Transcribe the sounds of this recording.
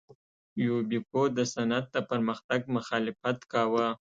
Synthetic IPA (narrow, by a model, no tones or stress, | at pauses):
jobipod̪əsanad̪̚d̪əpəɾməxt̪aɡ̚mʊxɑlɪfat̪kɑwə